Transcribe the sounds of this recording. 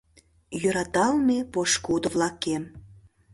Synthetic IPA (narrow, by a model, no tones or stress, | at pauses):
jøɾɑt̪ɑlmepoʃkud̪ə̆vlɑkem